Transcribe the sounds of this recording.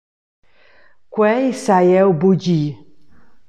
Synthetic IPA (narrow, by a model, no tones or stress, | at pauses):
kwɛisajɛubud͡ʒi